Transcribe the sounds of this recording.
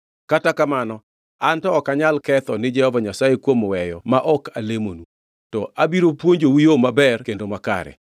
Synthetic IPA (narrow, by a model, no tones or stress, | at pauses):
katakamanɔ | antɔːkaɲalkɛt̪ɔnɪd͡ʒɛhɔvaɲasajekwomwɛjɔ̰maʔɔkalemonu | tɔʔabiɾopwoɲd͡ʒowijomabɛrkendomaka̰ɾɛ̰